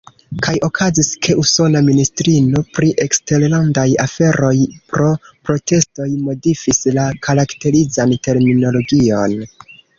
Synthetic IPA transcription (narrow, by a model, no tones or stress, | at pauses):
kʰajo̞kʰaziskʰe̞ʔuso̞naministɾino̞pɾiʔe̞kste̞ɾlandaja̰fe̞ɾʔo̞jpɾopɾote̞sto̞jmo̞difislakʰaɾakte̞ɾizante̞ɾmino̞lo̞ɡio̞n